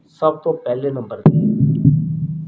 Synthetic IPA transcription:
sɐb̚t̪õpɛɦlenɐ̃mbəɾd̪eː

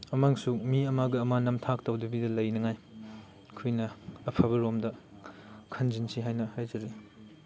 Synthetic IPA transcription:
ɐmaŋsumiɐmaɡɐɐmanɐmtʰak̚tɐwdɐbidɐlɐjnɐŋaj | kʰujnɐɐpʰɐbɐɾomdɐ | kʰɐnzinsʰiɦajnɐhajzɐɾi

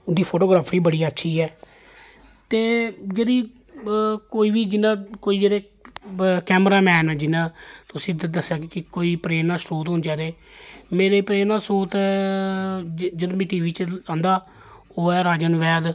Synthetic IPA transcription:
ʊd̪iːpʰoːʈoːɡɾaːpʰɾiːbəɽiːətːʃʰiːɛː | t̪eːd͡ʒeːɾiː | koːiːʋiːd͡ʒɪnãːkoːiːd͡ʒeːɾeː | kɛːmɾaːmɛ̃ːnɛːd͡ʒɪnãːt̪ʊsĩd̪d̪əsːjaːkikɪkoːiːpɾeːnaːsɾuːt̪ɦõnd͡ʒaːɾeː | meːɾeːpɾeːnãːsɾoːt̪ɛ | d͡ʒəd̪mɛ̃ːʈiːʋiːt͡ʃãːnd̪aː | oːɛːɾaːd͡ʒənʋɛːd̪

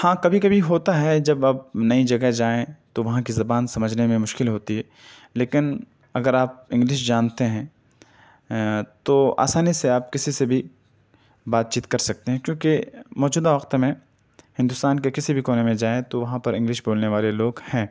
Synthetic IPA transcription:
hãːkɐbʱikɐbʱiɦoːt̪aɦɛd͡ʒɐbɐb̚nɐid͡ʒɐɡɛɦd͡ʒaːẽt̪oʋɐɦãkizɐbaːnsɐməd͡ʒʱnemẽmʊʃkɪlɦoːt̪iɦɛː | leːkɪn | ɐɡəɾaːp̚ɪ̃ŋɡlɪʃ̬d͡ʒaːnt̪eɦɛ̃ː | t̪oa̰ːsaːniseaːp̚kɪsisebʱi | baːt̪̚t͡ʃiːt̪kɐɾsɐk̚t̪eɦɛ̃kjõːkemɔːd͡ʒuːd̪aʋɐqt̪mẽ | hɪ̃nd̪ʊst̪aːnkekɪsibʱikoːnemẽd͡ʒaːẽt̪oʋɐɦãpɐɾɪ̃ŋɡlɪʃboːlneʋaːleloːɡhɛ̃ː

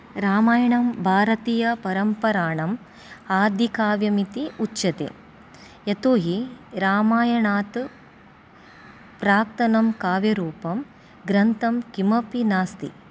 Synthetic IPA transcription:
ɾaːmaːjɐɳɐmbʱaːɾɐt̪iːjɐpɐɾɐmpɐɾaːɳɐm | aːd̪ʱikaːʋjɐmit̪iutːʃɐt̪ḛː | jɐt̪uːɦiɾaːmaːjɐɳaːt̪ | pɾaːk̚t̪ɐnɐmkaːʋjɐɾuːpɐm | ɡɾɐnt̪ɐmkimɐpinaːst̪ḭ

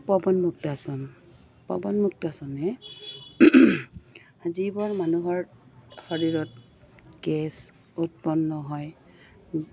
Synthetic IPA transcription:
pɔbɔnmuk̚tasɔn | pɔ̰bɔnmuk̚tasɔnɛ | azibɔɹmanuɦɔɹxoɹiɹɔt̚ | ɡɛs | ut̚pɔnːɔɦɔj

